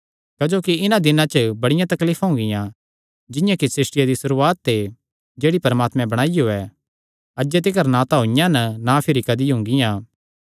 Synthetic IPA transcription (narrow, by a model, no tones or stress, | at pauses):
kɐd͡ʒoːkiɪnãd̪ɪnãt͡ʃəbɐɽɪjãt̪ɐkliːfʰɦʊ̃ŋɡɪjã | d͡ʒɪjãkisɪsʈɪjad̪isʊɾuːaːt̪ːe | d͡ʒeːɽipɐɾəmaːt̪mɛ̃bɐɽ̃aːijoːɛ | ɐd͡ʒet̪̬ɪkɐɾnãt̪aɦʊ̃ɪjãnɐnapʰɪɾikɐd̪iɦʊ̃ŋɡɪjãː